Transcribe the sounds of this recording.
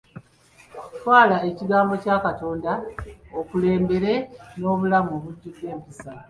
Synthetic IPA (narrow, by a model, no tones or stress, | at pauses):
twaːlae̞ciɡaːmbo̞caːkato̞ːndaokule̞ːmbe̞ɾe̞no̞ːβulamo̞ːβuɟːuɡde̞ːmpisa